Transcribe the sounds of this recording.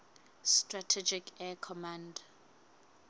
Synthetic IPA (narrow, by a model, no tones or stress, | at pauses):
stratʰɛd͡ʒikʰɛkʰɔmãnd